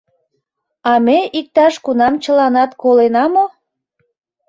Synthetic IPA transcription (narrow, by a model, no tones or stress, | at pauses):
ɑmeik̚t̪ɑʃkunɑmt͡ɕəlɑnɑt̪kolenɑmo